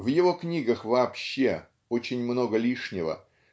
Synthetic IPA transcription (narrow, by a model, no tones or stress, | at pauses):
vjɪvo̞knʲiɡəxvɐːpɕːe̞ | o̞t͡ɕɪnʲmno̞ɡəlʲiʂnʲɪvə̰